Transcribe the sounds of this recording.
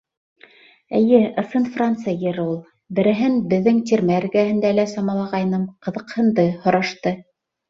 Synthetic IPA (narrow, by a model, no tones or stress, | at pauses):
ɘ̆jɘʔɤ̆sɤnfrant̪sɨjjɘ̆ɾulˠ | bɘ̆ɾɘ̆ɦɘnbɘ̆ðːɘŋt̪ʲiɾmæɘ̆ɾɡæhɘ̆nd̪ælæsɑmɑlˠɑʁɑjnɤmqɤ̆ðɤ̆qhɤ̆nd̪ɤhŏɾɑʃt̪ɤ